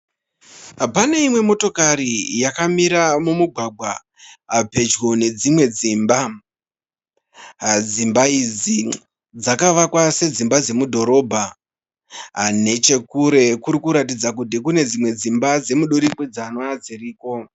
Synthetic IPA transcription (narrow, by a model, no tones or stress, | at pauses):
pane̞imwe̞mo̞to̞kaɾijakamiɾamumuɡʱwaɡʱwaː | pe̞d͡ʒɣo̞ne̞d͡zimwe̞d͡zimba | d͡zimbaid͡zi | d͡zakaʋakwase̞d͡zimbad͡ze̞mudʱo̞ɾo̞bʱa | ne̞t͡ʃe̞kuɾe̞kuɾikuɾatid͡zak̬ut̬ikune̞d͡zimwe̞d͡zimbad͡ze̞muɗoɾikwed͡zaːnoad͡ziriːko̞